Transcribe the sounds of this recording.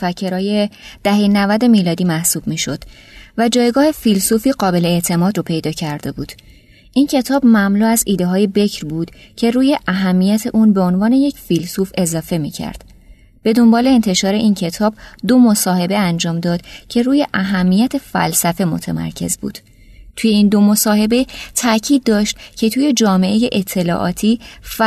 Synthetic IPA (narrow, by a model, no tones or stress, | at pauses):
fæcʰːe̞ɾɒːje̞d̪̥æhenævæd̪e̞miːlɒːd̪iːmæhsuːb̥miːʃo̞d̪̥ | væd͡ʒɒːjɡɒːhe̞filsufiːɢɒːbe̞leeʔt̪ʰe̞mɒːd̪ropʰe̞jd̪ɒːcʰæɾd̪e̞buːd̪̥ | ʔincʰe̞t̪ʰɒːbmæmluːæziːd̪eɦɒːje̞be̞cʰɾbuːd̪̥cʰe̞ɾuːje̞ʔæɦæmːijæt̪ʰe̞ʔuːnbe̞o̞nvɒːne̞je̞cʰfilsuːfe̞zɒːfe̞mḭːcʰæ̰ɾd̪̥ | b̥e̞d̪o̞mbɒːle̞ːnt̪ʰe̞ʃɒːɾe̞ʔiːncʰe̞t̪ʰɒːbd̪o̞mo̞sɒːhe̞be̞ænd͡ʒɒːmd̪ɒːd̪̥cʰe̞ɾuːje̞ʔæɦæmːijæt̪ʰe̞fæ̰lsæfe̞mo̞̰t̪ʰḛmæ̰ɾcʰe̞̰zbṵːd̪̥ | t̪ʰuje̞iːnd̪o̞mo̞sɒːhe̞be̞t̪ʰæcʰiːd̪̚ːɒːʃt̪cʰe̞t̪ʰuːje̞d͡ʒɒːme̞ʔe̞je̞ʔet̪ʰːe̞lɒ̰ːʔɒ̰ːt̪ʰiːf